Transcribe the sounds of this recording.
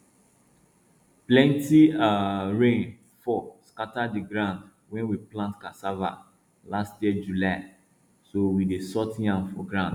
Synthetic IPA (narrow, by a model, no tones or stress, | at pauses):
plɛ̃ntiaɹẽn | fɔskatadiɡɹãʊ̃nd | wɛ̃nwiplãntkasava̰ | lastjɛd͡ʒulaɪ | sowidesɔtãnfɔɡɹãʊ̃nd